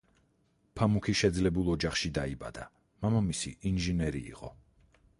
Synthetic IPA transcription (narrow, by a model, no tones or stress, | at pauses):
pʰamukʰiʃɛd̪zlɛbulˠɔd͡ʒaχʃid̪aiba̰d̪a | mamamisḭʔinʒinɛɾḭːqʼɔ